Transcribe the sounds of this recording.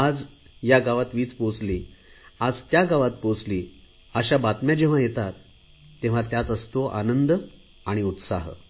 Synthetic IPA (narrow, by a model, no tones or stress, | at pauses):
ad͡z | jaɡaʋat̪ʋiːt͡spot͡sliːad͡zt̪jaɡaʋat̪̚pot͡sliː | əɕabat̪mjad͡ʑeʋ̤ajet̪at̪ː | ẽʋ̤at̪jat͡s̪əst̪oʔa̰nənd̪ə | aɽ̃iut̪sa̰ɦ